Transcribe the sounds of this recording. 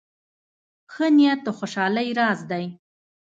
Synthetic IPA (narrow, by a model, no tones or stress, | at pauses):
xənijat̪̚əxoʃɑləjɾɑzd̪aj